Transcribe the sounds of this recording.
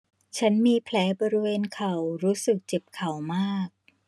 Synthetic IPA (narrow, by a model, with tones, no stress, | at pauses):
t͡ɕʰa˦˥nmiː˧pʰlɛː˩˦˥bɔː˧ɾi˧weː˧nkʰa˨˩wɾuː˦˥sɯ˨˩k̚t͡ɕe˨˩p̚kʰa˨˩wmaː˥˩k̚